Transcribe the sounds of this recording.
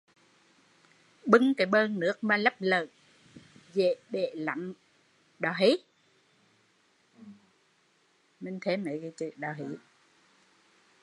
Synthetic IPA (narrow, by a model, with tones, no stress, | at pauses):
ɓɨ˧ŋkaː˨˦jɓəː˧nnɨ˦˥ək̚maː˨˧˩lə˦˥p̚ləː˨ | ze˧˨ɓe˧˨la̰˧˨˦ŋ | ɗɔ˨˩ɦi˨˦ | me˧˩nt̪ʰe˨˦ma˨˦kaː˨˦t͡ɕḭ˧˨ɗɔː˨˩ɦi˨˦